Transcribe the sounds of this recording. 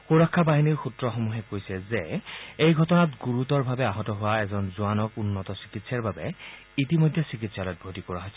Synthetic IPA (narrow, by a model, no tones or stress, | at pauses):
xuɹɔkʰːabaɦiniɹxutɹɔxomuɦɛkojsɛzɛejɡʱɔtɔnatɡuɹutɔɹbʱabɛaɦɔtɔɦʊwaɛzɔnzuanɔkunːɔtɔsi̥kitsaɹbabɛ | itimojdʱːɛsik̬itsalɔjt̚bʱotikɔɹaɦɔjsɛ